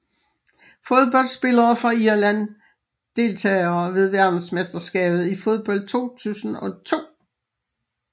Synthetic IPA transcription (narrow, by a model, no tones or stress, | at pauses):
fo̝ð̞ˠb̥ɒ̽l̰d̥sb̥e̝lɐfʁɑ̈iɐlæn | d̥e̝ːlt͡sʰɛːɪɐːʋe̝ð̞ˠʋæɐd̥n̩smesd̥ɐsɡ̥ɛ̰ːb̥ð̞̩ˠifo̝ð̞ˠb̥ɒ̽l̰d̥̚t͡sʰo̝̰ːt͡sʰṵːsn̩ɒ̽t͡sʰo̝̰ː